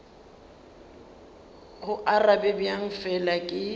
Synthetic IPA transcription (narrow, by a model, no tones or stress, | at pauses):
hʊʔarabɛbjaŋ̩fɛlakʼɪ